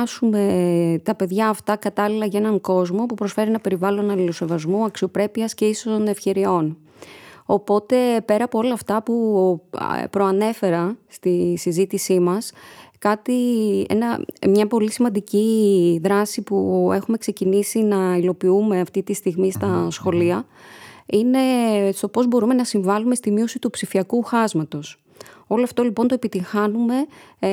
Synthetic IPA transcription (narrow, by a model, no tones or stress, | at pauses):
sume̞t̪ɐpe̞ðʝɐːft̪ɐkɐt̪ɐlilɐʝɐe̞nɐŋko̞zmo̞pupɾo̞sfe̞ɾienɐpe̞ɾivɐlo̞nɐlilo̞se̞vɐzmuɐksio̞pɾe̞piɐsce̞isost̪o̞ne̞fçe̞ɾio̞n | o̞po̞t̪e̞pe̞ɾɐːpo̞o̞lɐːft̪ɐpu | pɾo̞ɐne̞fe̞ɾɐst̪isizit̪isimɐskɐt̪iḛnɐmɲɐpo̞lisimɐnd̪iciðɾɐsipue̞xume̞kse̞cinisinɐilo̞piume̞ɐft̪it̪ist̪iɣmist̪ɐsxo̞liɐ | ine̞st̪o̞po̞zbo̞ɾume̞nɐsiɱvɐlume̞st̪imio̞sit̪upsifiɐkuxɐzmɐt̪o̞s | o̞loɐft̪o̞lipo̞nt̪oepit̪iŋxɐnume̞